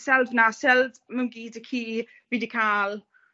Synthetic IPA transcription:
sɛlvnasɛldməmɡiːdəkʰiː | vidɪkʰaːl

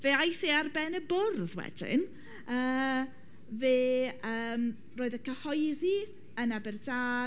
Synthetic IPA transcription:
veːajsearbɛnəbʊrðwɛ̰dɪ̰n | əː | veːəːm | roːɨðəkʰəhɔjði | ənabɛrdaː

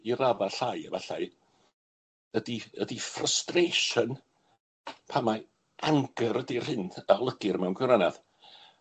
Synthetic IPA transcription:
iɾavaɬajəvaɬaj | ədiədifrəstrejʃən | pʰama | ʔaŋɡəɾədir̥hɪndaɔlˠəɡɪrmɛwnɡwɪwɾanað

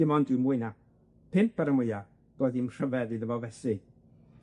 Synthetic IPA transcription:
ɪmɔndɪmuɨna | pʰɪnp̚b̥ɛɾəmwʊja | d̥oːðimr̥əvɛðiðəvɔvɛsɪ

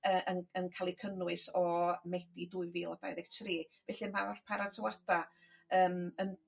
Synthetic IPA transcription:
əʔənənkʰalˠikʰənʊɨsɔmɛd̥iduːɨviːlˠɔd̥a̰jðɛɡ̥tʰriːvɛɬimawr̥pʰaɾatʰɪwad̥a | əːmən

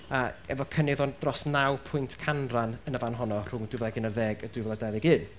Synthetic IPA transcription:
aɛ̰vɔkʰənɪðɔnd̥rɔsnawpʰʊɨntʰkʰanranənəvanɦɔnɔr̥ʊŋdɪvlˠɛɡɨnərðɛːɡəd̥ɪvɛlˠadɛvɪɡɨːn

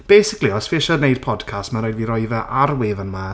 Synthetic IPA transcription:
b̥ejsɪkliɔsfɪʃənejd̥̚pʰɔd̥kʰastmaɾoːjdviɾɔɨvɛʔʔaɾweːvənma

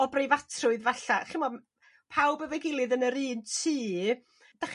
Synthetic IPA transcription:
ɔbrejvatʰrʊɨðvaɬaχɪmɔm | pʰawbəvɛɡɪlˠɨðənəɾiːntʰiː | d̥aχ

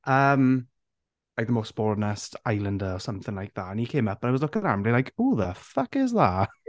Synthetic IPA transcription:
ʔəm | lajk̚ðəmosb̥ɔɹnɛstajlˠə̃ndəɔsʌmθɪ̃ŋlajk̚ðaənikʰeːməpənajwɔzlɔkəɾamlilajkʰuːðəfʌkɪzða

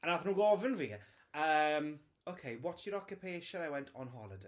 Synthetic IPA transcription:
anaθnuːɡɔvənviː | əːm | okʰejwɔtsjəɾɔkʰjupʰeːʃənawɛntʰɔnɦɔ̰lˠəde

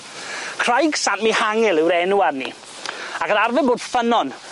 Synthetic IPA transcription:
kʰr̥ajɡ̥sanmihaŋɪlˠɪwɾɛnuarnḭ | akəɾarvɛboːd̥fənɔn

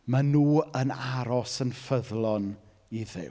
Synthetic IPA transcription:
manuːənaɾɔsənfəðlˠɔn | iðɪ̰w

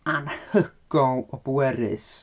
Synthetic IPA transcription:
anhəɡ̥ɔlˠɔbwɛɾɨ̰s

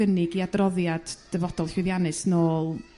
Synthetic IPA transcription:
ənɪɡiadrɔðjad̥d̥əvɔd̥ɔlˠɬwɪðjanɨsnoːlˠ

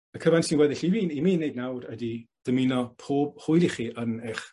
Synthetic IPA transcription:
əkʰəvansinɡwɛðɪɬimiːnimiːnːejd̚nawdədid̥əminɔpʰoːb̥̚hʊjɾiχiʔənɛχ

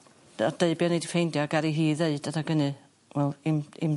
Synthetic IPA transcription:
ɔd̥eɨbjɔnedifejndjɔɡaɾiɦiːðeɨd̥adaɡənɨ | wɛlˠimim

